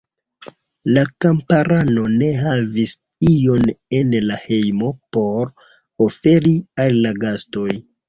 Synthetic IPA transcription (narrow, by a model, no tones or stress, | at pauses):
lakampaɾano̞ne̞ɦavis | ijo̞ne̞nlahe̞jmo̞po̞ɾ | ofe̞ɾiallaɡasto̞j